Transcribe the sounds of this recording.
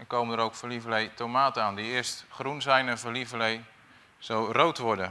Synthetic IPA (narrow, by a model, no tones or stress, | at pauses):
koːməndəɾowkfəlivəlejtʰomaːtəaːndiɪəstχrunzɛjnɛnfəlivəlej | z̥owrowtʋɔɹdə